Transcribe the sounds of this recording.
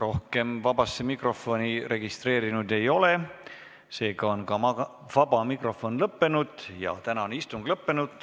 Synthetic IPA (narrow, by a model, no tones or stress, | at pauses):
ro̞hke̞mvɑbɑsːemikro̞fo̞nʲire̞ɡ̥ist̪re̞ːɾinud̪e̞jo̞le̞ | se̞ːɡɑo̞nkɑmɑ | vɑbɑmikro̞fo̞nlɤpːe̞nud̪̥jɑ̰t̪ænɑonist̪uŋɡ̥lɤpːe̞nud̪̥